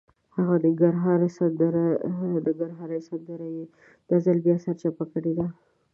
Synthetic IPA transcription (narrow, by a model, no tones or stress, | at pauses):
haɣad̪əɡaɾɦɑɾsand̪ɾd̪əɡaɾɦɑɾajsand̪əɾaje | d̪̥azalbjɑsaɾt͡ʃapakəɽed̪a